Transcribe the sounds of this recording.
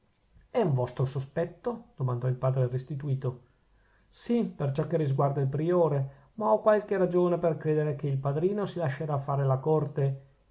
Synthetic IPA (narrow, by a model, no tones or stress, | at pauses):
ɛuɱvɔst̪ɾosospɛt̪ːod̪̥omand̪ɔilpaːd̪ɾerest̪it̪uiːt̪o | sipert͡ʃɔkːerizɡward̪ailpɾioːɾe | maɔkːwalkeɾad͡ʒoːneperkɾeːd̪eɾekeilpad̪ɾiːnosilaʃːeɾafːaːɾelakort̪e